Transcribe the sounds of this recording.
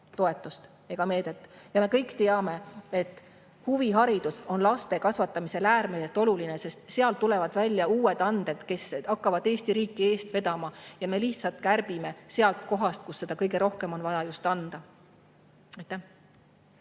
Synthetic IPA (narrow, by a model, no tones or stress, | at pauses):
t̪oe̞t̪ːˑust̪ | e̞ɡ̥ɑme̞ːd̪̥e̞t̪ːˑjɑme̞kɤjkːt̪e̞ɑme̞e̞t̪ːˑ | huviɦɑɾid̪̥uso̞nlɑst̪e̞kɑsvɑt̪ːˑɑmise̞læːrmeset̪ːˑo̞luline̞se̞st̪se̞ɑlt̪ule̞vɑd̪̥vælʲːjɑuːe̞d̪̥ɑnd̪̥e̞d̪̥ke̞sɑkːɑvɑd̪e̞ːst̪iɾiːkːie̞ːst̪ve̞d̪̥ɑmɑjɑme̞liçt̪sɑlt̪kærb̥ime̞se̞ɑlt̪ko̞ɦɑst̪̚kusːe̞d̪̥ɑkɤjɡe̞ɾo̞hkemo̞nvɑjɑjust̪ɑnd̪̥ɑ | ɑjt̪ːˑæh